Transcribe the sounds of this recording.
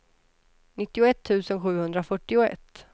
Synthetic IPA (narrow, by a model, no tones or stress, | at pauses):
nɪt̪ːɪʊɛt̪ʰːʉ̟ːsənɧʉ̟ːhɵnd̪ɾafœʈːɪʊɛ̰t̪ː